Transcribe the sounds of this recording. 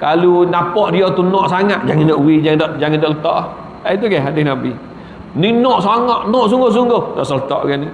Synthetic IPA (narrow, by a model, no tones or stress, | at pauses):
kalunapɔʔdiɔt̪unɔʔsaŋat̪̚d͡ʒaŋɪndɔʔuwid͡ʒaŋndɔʔd͡ʒaŋɪndɔʔlət̪ɔʔ | ait̪̬uɡɛadɪhnabi | ninɔʔsaŋɔʔnɔʔs̬uŋɡohs̬uŋɡohdɔ̰ʔsɔlət̪ɔ̰ʔɡɛni